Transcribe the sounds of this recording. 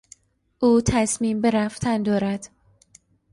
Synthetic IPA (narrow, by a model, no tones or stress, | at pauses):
ʔuːt̪ʰæsmiːmbe̞ɾæft̪ʰænd̪ɒːɾæd̪̥